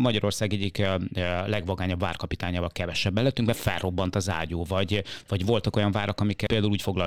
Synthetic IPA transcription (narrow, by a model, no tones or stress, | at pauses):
mɒɟɒɾo̞rsaːɡɛɟːiklɛɡvɒɡaːɲɒbva̰ːrkɒpit̪aːɲaːvɒlkɛvɛʃɛbːɛlːøt̪ːyŋkbɛfɛ̰rrʔo̞bːɒnt̪ɒza̰ːɟoːvɒɟvɒɟvo̞lt̪ɒko̞jɒɱvaːɾɒkɒmikɛpeːld̪auluːcfo̞ɡlɒ